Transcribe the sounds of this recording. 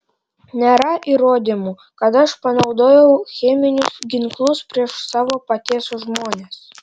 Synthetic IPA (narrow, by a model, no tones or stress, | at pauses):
nʲɛɾɑʔiɾoːd̪ʲimu | kɐt̪ɐʃpɐnɐʊd̪oːjɛwxʲɛmʲɪnʲʊsɡʲiŋklˠuspʲɾʲiɛʃsɑːʋopɐt̪ʲeːsuʒmoːnʲes